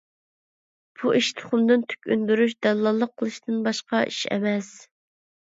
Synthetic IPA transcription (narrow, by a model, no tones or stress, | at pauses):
b̥uʔiʃt̪ʰʊ̥χʊmd̪ɨnt̪ʰy̥kʲynd̪yɾyʃd̪ɛlːɑlˠːəqʰːəlˠɨʃt̪ɨnbɑʃqɑʔiʃɛ̰mɛs